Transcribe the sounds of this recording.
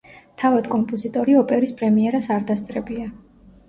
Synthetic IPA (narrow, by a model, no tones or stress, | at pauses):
t̪ʰavad̪kʼɔmpʼɔzit̪ʼɔɾiɔpʼɛɾispʰʼɾɛmiɛɾasaɾd̪ast̪sʼɾɛbia